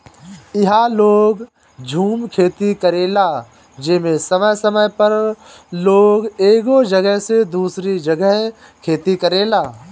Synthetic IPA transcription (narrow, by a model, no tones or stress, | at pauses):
ɪɦaloːɡ | d͡ʒʱuːmkʰeːt̪ikəɾeːlaː | d͡ʒɪmẽsɐməjsəməjpəɾloːɡeːɡod͡ʒəɡəɦsed̪uːsɾid͡ʒɐɡəɦ | kʰeːt̪ikəɾeːlaː